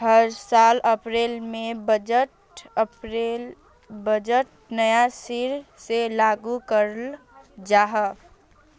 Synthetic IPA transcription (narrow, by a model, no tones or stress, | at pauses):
ɦəɾsaləpɾelmẽbəd͡ʒəʈ | pɾel | bəd͡ʒəʈ | nəjasiɾselaɡukəɾəl | d͡ʒaɦə